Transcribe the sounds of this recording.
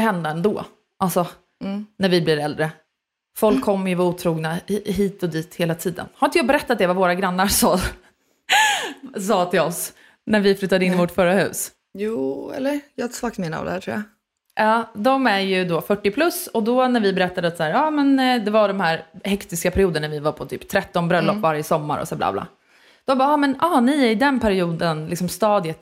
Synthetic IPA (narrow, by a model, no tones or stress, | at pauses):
ɦɛnd̪aɛnd̪oː | ʔalsɔ | næɾvɪblɪɾɛld̪ɾə | fɔlkʰːɔmːəjəvauːt̪ʰɾuːɡnaɦiːt̪ɔd̪iːt̪heːlat̪ʰiːd̪ə̰nhaɾɪnt̪əjɑːbɛɾɛt̪ːat̪̚d̪ɛvavoːɾaɡɾanːaɾsɑː | sɑːt̪ʰɪlɔs | næɾvɪflʉ̟t̪ːad̪əɪnːɪvɔʈfœɾːahʉ̟̰ːs | juːɛ̰lːəɾjɑːsvakt̪mena̰a̰d̪ɛ̰hæːɾʈʰɾṵːja | ʔɑːd̪ɔmæɾjɵd̪ɔfœʈːɪpʰlɵsɔd̪ɔnæɾvɪbɛɾɛt̪ːad̪əat̪sahæːɾɑːmɛnd̪ɛvaɖɔmhæːɾhɛkt̪ɪskapʰæɾɪuːd̪ənæɾvɪvaɾpʰɔt̪ʰy̰ːpt̪ʰɾɛt̪ːɔnbɾœlːɔpːvaɾjəsɔmːa̰ɾɔ̰sæːbla̰ːblɑ̰ː | d̪̥ɔmbɑːɑːmɛnɑːnɪæɾɪd̪ɛnpʰæɾɪuːd̪ənlɪksɔmst̪ɑːd̪jət̪